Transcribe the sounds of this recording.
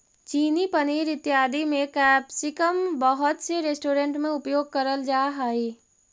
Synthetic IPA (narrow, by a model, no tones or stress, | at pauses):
t͡ʃiːnipəniɾɪt̪jaːd̪imẽkɛbsikəmbəɦʊt̪seɾesʈoːɾeɳʈmẽupjoːɡ̚kəɾəld͡ʒaːɦəi